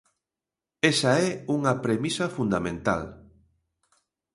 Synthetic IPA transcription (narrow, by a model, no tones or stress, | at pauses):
esaɛuŋɐpɾemisɐfund̪amẽnt̪a̰l